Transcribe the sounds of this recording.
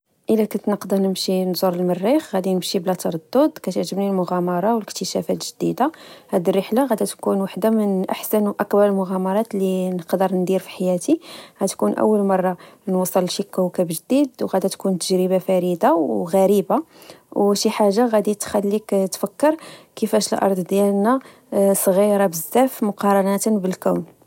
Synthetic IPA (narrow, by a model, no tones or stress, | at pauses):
ʔəlːækænt̪nəqd̪ənəmʃinzuɾˤəlmərːixɣæd̪inəmʃiblæt̪ɑɾˤɑd̪ˤːʊd̪kæt̪əʕʒəbnilmʊɣæmɑɾˤɑwələkt̪əʃæ̰fæt̪ʒ̥əd̪id̪ahæd̪irːəħlaɣæd̪æt̪kunwaħd̪amənʔaħsənwʔɑqbɑɾˤəlmʊɣæmɑɾˤɑt̪linəqd̪əɾˤnd̪iɾfi̥ħajæt̪iɣæt̪kunʔə̰wːəlmɑrˤːɑnwɑsˤəlʃikːæwkæbʒəd̪id̪wɣæd̪æt̪kunt̪ːəʒɾəbafæɾid̪awɣæɾibawʃiħaʒːaɣæd̪it̪xælːikt̪fækːəɾkəfæʃəlʔɑ̰ɾˤd̪ˤd̪jælnæ | sˤɣiɾˤɑbəzːæfmʊqɑɾˤɑnæt̪bəlkæwn